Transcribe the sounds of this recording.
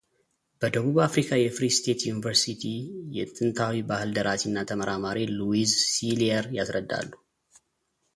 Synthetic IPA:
b̥əd̪əβuβafɾikʰajɛfɾist̪ʰe̞t̪junivəɾsit̪ʰijɛt̪ʼɨnt̪ʰawibahɨld̪əɾʔat̪inːat̪ʰəməɾamaɾʔiluizsiliəɾjasɾəd̪ːa̰lːu

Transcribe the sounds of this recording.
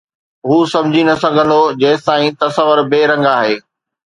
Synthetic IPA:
ɦuːsɐ̃md͡ʑʱinɐsɐ̃ŋɡʱə̃nd̪od͡ʑɐːɪt̪ãːĩt̪ɐsəʋəɾbeːɾɐ̃ŋɡaːɦeː

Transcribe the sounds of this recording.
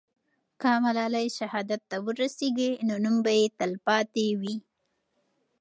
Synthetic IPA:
kamalɑlajʃahɑd̪at̪ːawəɾaseɡinonumbajet̪əlpɑt̪ewi

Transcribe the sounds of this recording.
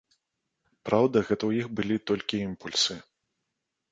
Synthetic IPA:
pɾawd̪ɐɣɛt̪ɐwjixbɨlʲit̪ɔlʲkʲiimpulʲsɨ

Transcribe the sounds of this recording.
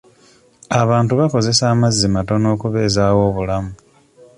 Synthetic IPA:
aβaːntuβako̞ze̞saːmazːimato̞no̞ːkuβe̞ːzaːwo̞ːβulamu

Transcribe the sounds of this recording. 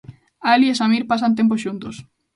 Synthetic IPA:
aliesamiɾpasant̪̬emp̬osʃunt̪os

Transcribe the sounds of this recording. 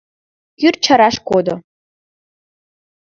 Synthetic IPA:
jʲʏrt͡ʃʰaɾaʂkʷod̪o

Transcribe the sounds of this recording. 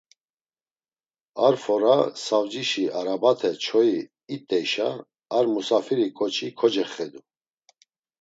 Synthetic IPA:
aɾfɔɾasavd͡ʒiʃiaɾabat̪ʰɛt͡ʃʰɔjiː | t̪ʼːɛjʃa | aɾmusafiɾikʼɔt͡ʃʰikʰɔd͡ʒɛχɛd̪u

